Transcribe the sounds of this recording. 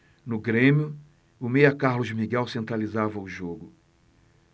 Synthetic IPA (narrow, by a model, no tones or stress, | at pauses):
nʊɡɾẽmjʊ | ʊmejɐkaɾlʊzmiɡɛwsẽnt̪ɾalizavɐʊʒoɡʊ